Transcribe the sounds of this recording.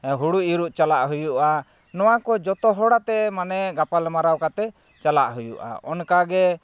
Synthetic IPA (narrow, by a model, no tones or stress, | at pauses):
ɦuɽuʔiɾuʔt͡ʃalaʔɦujuʔa | nɔwakɔd͡ʒɔt̪ɔɦɔɽat̪ɛmanɛɡapalmaɾawkat̪ɛ | t͡ʃalaʔɦujṵʔa̰ɔnkaɡɛ